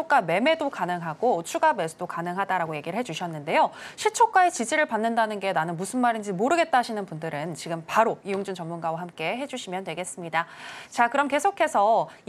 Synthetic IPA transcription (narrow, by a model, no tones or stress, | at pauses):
ok͈ame̞me̞dokanɯŋɦaɡot͡ɕʰuɡame̞sʰudokanɯŋɦadaɾaɡoje̞ɡiɾɯɭɦe̞d͡ʑuɕʰʌnːɯnde̞joɕʰit͡ɕʰok͈aet͡ɕid͡ʑiɾɯɭpanːɯndanɯnɡe̞nanɯnmusʰɯnmaɾind͡ʑimoɾɯɡe̞t̚t͈aɦɕʰinɯnpundɯɾɯnt͡ɕiɡɯmpaɾoijoŋd͡ʑunt͡ɕʌmːunɡawaɦamk͈e̞ɦe̞d͡ʑuɕʰimjʌntwe̞ɡe̞s͈ɯmɲidat͡ɕakɯɾʌmke̞sʰokʰe̞sʰʌ